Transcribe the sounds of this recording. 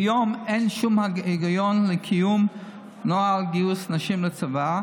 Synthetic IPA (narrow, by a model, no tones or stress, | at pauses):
jɔmenʃumhaiɡajɔnləkʰijum | nɔalɡiusnaʃimlət͡sava